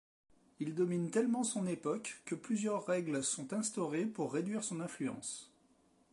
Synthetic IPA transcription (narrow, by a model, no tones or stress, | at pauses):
ild̪ɔmint̪ɛlmɑ̃sɔ̃nepɔkːəplyzjœʁːɛɡlsɔ̃t̪ɛ̃st̪ɔʁepuʁːed̪ɥiʁsɔ̃nɛ̃flyɑ̰̃s